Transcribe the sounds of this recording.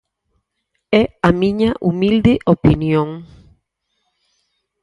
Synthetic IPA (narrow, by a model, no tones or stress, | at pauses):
ɛamĩɲaʔumild̪eʔopinjoŋ